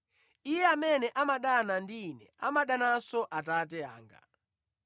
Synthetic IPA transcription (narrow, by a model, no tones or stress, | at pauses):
ijɛamɛnɛʔamaɗanandinɛamaɗanasɔʔatatɛa̰ːŋɡa̰